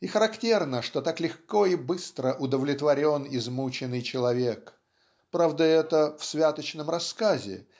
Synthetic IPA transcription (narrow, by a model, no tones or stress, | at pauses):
ixəɾɐktʲernəʂt̪o̞t̪aklʲɪxko̞ibɨst̪ɾəʔʊd̪əvlʲɪt̪vɐɾʲo̞nizmut͡ɕɪnːɨjt͡ɕɪlˠɐvʲek | pɾavd̪əɛt̪əfsvʲat̪ət͡ɕnəmrɐskazʲɪ̰